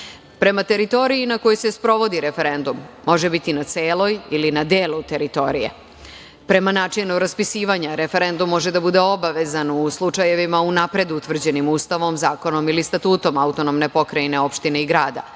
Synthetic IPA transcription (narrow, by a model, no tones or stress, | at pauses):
pɾe̞mat̪e̞ɾit̪o̞ɾiːnakojojsespɾo̞ʋo̞d̪iɾe̞fe̞ɾe̞nd̪umːo̞ʒebit̪inat̪seːlo̞jilinad̪eːlˠut̪e̞ɾit̪o̞ɾijḛ | pɾe̞manaːt͡ʃinuɾaspisiːʋaɲaɾe̞fe̞ɾe̞nd̪umːo̞ʒed̪abud̪e̞o̞baʋe̞zanuslˠut͡ʂaje̞ʋimaunapɾe̞d̪uut̪ʋr̩d͡ʑe̞nimuːst̪aʋo̞mzaːko̞no̞milist̪at̪uːt̪o̞maut̪onomne̞po̞kɾajne̞o̞pʃt̪ine̞iɡɾaːd̪a̰